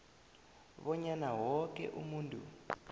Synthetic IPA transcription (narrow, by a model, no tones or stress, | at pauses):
βɔɲanawɔkɛ̰ʔumuːntʼṵ